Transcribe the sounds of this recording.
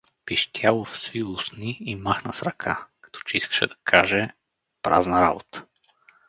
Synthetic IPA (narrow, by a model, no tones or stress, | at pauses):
piʃt̪ʰʲjalˠofsvilˠʊsniːmaxnəsɾɐkʰakɐ̥t̪ɔ̥t͡ʃɛiskə̥ʃɛ̰d̪ɐkʰaʒɛ | pɾa̰znəɾa̰bot̪ə̥